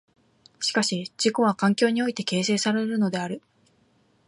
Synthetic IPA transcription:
ɕi̥kaɕid͡ʑiko̞βakãŋkʲo̞ːɲ̟io̞it̪e̞ke̞ːse̞ːsaɾe̞ɾɯ̟no̞d̪e̞aɾɯ̟

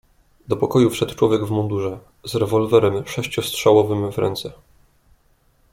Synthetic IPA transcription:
d̪ɔpɔkɔjufʂɛt̪t͡ʂwɔvʲjɛɡvmɔnd̪uʐɛ | zɾɛvɔlvɛɾɛmʂɛɕt͡ɕɔstʂawɔvɘmvɾɛ̰nt̪sɛ

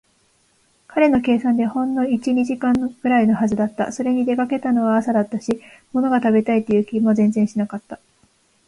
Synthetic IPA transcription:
kʰaɾe̞no̞ke̞ːsãnd̪e̞hõ̞nːo̞it͡ɕiɲiʑikãŋɡ̥ɯ̟ɾaino̞ɦazɨd̪at̪ːa̰so̞ɾe̞ɲ̟id̪e̞kake̞t̪ano̞βaːsad̪at̪ːaɕimo̞no̞ɡat̪abe̞t̪ait̪ːe̞jɯ̟ːkʲimo̞zẽ̞nd͡zẽ̞ɰ̃ɕinakat̪ːa

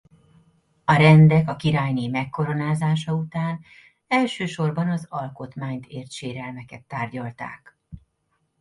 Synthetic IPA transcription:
ɒɾɛnd̪ɛkɒkiɾaːjneːmɛkːo̞ɾo̞naːzaːʃɒut̪aːn | ɛlʃøːʃo̞rbɒnɒzɒlko̞t̪maːɲt̪ʰeːrt̪ʃeːɾɛlmɛkɛt̪ːaːrɟɒlt̪a̰ːk

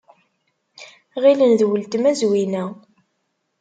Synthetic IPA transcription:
ʁilənðwəlt̪mæzwinæ

